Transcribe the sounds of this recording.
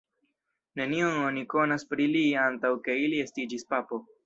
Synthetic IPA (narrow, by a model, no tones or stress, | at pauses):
ne̞nio̞no̞niko̞naspɾiliantawke̞ilie̞stid͡ʒispapo̞